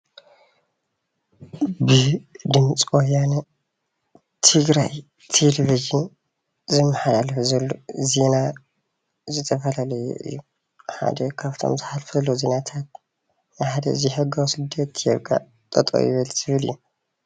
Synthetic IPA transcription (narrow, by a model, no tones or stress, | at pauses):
bɨd̪ɨmt͡sʼwojanɐ | t̪ʰɨɡɾaj | t̪ʰelevid͡ʒin | zɨmːɐħalalfzɐlːo̰zena | zɨt̪ʰɐfɐlalɐjo̰ʔɨ̰jːu | ħa̰d̪ɐkʰaβt̪ʰo̞̰mzɨħalfɐlozenat̪ʰat̪̚ | nɨħad̪ɐ̰ɨziħɐɡawsɨd̪ːɐt̪ːjɛɡʼa̰ | t̪ʼɐ̰t̪ʼo̰jɪ̰βɐlz̥ɨβɨlɨ̰jːu